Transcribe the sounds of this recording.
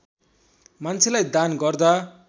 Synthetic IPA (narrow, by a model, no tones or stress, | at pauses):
mant͡sʰelajd̪anɡʌrd̪a